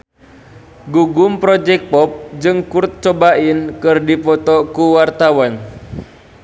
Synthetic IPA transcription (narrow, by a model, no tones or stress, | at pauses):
ɡuɡumpɾɔd͡ʒɛk̚pɔp̚d͡ʒɨŋkurt̪̚t͡ʃɔbaʔinkɨrdipɔt̪ɔkuwart̪awan